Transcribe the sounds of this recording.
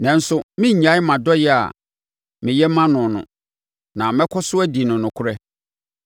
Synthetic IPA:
nɛ̃˨n̩˦sʊ˦mɪ̃˦ɲ˨ɲã˦mã˨dɔ˦jɛ˦a̰˨ | mɪ̃˨jɛ˦mã˦nʊ̃˨nʊ̰̃˨ | nã˨mɛ̃˦kʰɔ˦sʊ˦æ˦di˨nʊ̃˨nʊ̃˨kʰʊ˦ɾɛ˦

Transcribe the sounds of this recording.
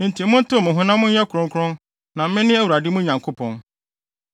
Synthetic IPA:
n̩˨tʰi˨mʊ̃˦n̩˦tʊ˦˨mʊ̃˨ɦʊ̃˦nã˦mʊ̃˦n˦ɛ˦kʰʊ˨ɾʊ̃˦ŋkʰʊ˦ɾʊ̃˦n | nã˨m̩˦mɪ̃˦nɪ̃˦æ˦wu˨ɾa˨dɪ˦mʊ̃˦ɲã˨ŋkʰo˦pʰɔ̃˨n

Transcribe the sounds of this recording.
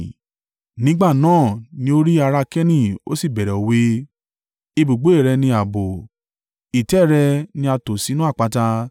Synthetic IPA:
nĩ˦ɡ͡ba˦˨nãː˦˨nĩ˧˦o˦ɾi˦a˧ɾa˧kɛ˦nĩ˦˨o̰˦si˦˨bɛ˨ɾɛ˨o˨˦we˦ | i˧bu˨ɡ͡bo˨˦e˦˨ɾɛ˧nĩ˧a˨bo˨ | i˨tɛ˨˦˨ɾɛ˧nĩ˧˦a˧to˨si˨˦nũ˦a˦˨k͡pa˨˧ta˧

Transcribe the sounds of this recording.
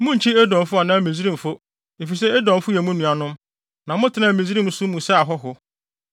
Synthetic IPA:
mʊ̃˦ɲ̩˨t͡ɕʰi˦ɛ˦dɔ̃˨n˨˦fʊ˦a˨nã˦˨mĩ˨zi˦ɾĩ˦m̩˨fo˦ | e˨fi˨s̬ɛ˦ɛ˦dɔ̃˨m˦fʊ˦jɛ˨˦mũ˦nũ˨a˨nʊ̃˦m | nã˨mʊ̃˦tʰɪ˨nã˦˨mĩ˨zi˦ɾĩ˦m˨˦sʊ˦mũ˨sɛ˦a˨ɦɔ˦ɦʊ˦

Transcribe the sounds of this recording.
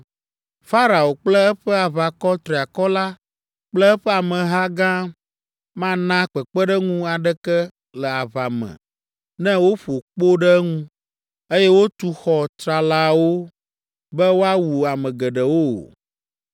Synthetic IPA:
fa˦ɾa˨o˨k͡plə˦ɛ˦ɸɛ˦a˨βa˨kɔ˦t̪ɾi˨a˨kɔ˦la˦ | k͡plɛ˦ɛ˦ɸɛ˦a˨mɛ̃˨ɦa˦ɡã˦ | mã˦nã˦k͡pɛ˨k͡pɛ˦ɖɛ˦ŋũ˦a˨ɖɛ˦kɛ˦ | lɛ˨a˨βa˨mɛ̰̃˨ | nɛ̃˦wo˦ɸo˨k͡po˦ɖɛ˦ŋũ˦ | e˦jɛ˦wo˦t̪u˦xɔ˨t̪ɾa˨la˦wo˦ | bɛ˦wo˦a˦wu˨a˨mɛ̃˨ɡɛ˨ɖɛ˨wo̰˦˨

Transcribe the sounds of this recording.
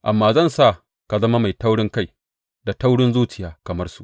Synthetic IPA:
ʔa˨mːaː˦zɐ˦˨nsa˦˨ | ka˨zɐ˦ma˦ma˨jta˦wɽɪ˦ŋka˦˨j | da˨ta˦wɽɪ˦nzuː˦t͡ʃɪ˨jaː˨kɐ˨mɐ˦rsu˨ʔ

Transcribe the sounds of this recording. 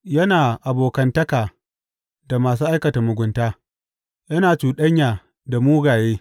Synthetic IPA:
jɐ˦naː˨ʔa˨boː˨kɐ˦ntɐ˦kaː˨ | da˨maː˨s̬uː˦ʔa˦jkɐ˨ta˨mʊ˨ɡʷʊ˨˦ntaː˦ | jɐ˦naː˨t͡ʃuː˨ɗɐ˦ɲjaː˨ | da˨muː˦ɡaː˨jeː˦

